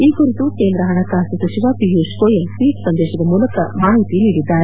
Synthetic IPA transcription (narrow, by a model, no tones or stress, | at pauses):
iːkuɾit̪ukeːnd̪ɾɐɦɐɳɐk̪aːst̪ɐsɐʃiʋaːpiɦjuskoːjemsiːksɐnd̪ɛːʃɐd̪ɐmuːlɐkɐmaːɦit̪iniːɽid̪ːaːɾe